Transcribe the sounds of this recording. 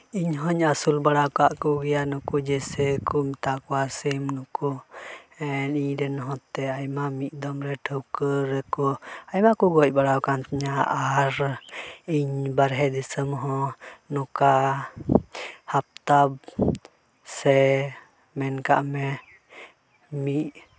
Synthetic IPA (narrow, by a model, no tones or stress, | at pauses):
iɲɦɔɲasulbaɽawkaʔkuɡijanukud͡ʒɛsɛkumt̪akuasimnuku | ɛniɲɾɛnɔɦɔ̃t̪ɛajmamiʔd̪ɔmɾɛʈʰəwkəɾɛkɔajmakuɡɔc̚baɽawkant̪ʰɲaʔaɾ | iɲbaɾɦɛd̪isəmɦɔ̃nɔka | hap̚t̪ab | sɛ | mɛnka̰ʔmɛ | miʔ